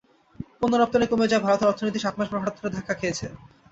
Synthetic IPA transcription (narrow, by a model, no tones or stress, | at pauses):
ponːoɾɔp̚t̪onekomed͡ʑaebʱaɾot̪oɾɔɾt̪ʰonojt̪iʃat̪̚ʰmaʃpɾoɦaɽot̪ʰːoɾed̪ʱakʰːakʰejet͡ɕʰe